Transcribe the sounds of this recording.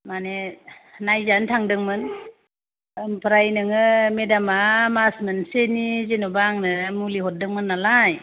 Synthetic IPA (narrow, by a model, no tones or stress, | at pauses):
manenajzantʰaŋdɯŋmɯn | ɯmpʰɾajnɯŋɯmedamamasmɯnsenizenobaŋnɯmuliɦɔt̚dɯŋmɯnːalaj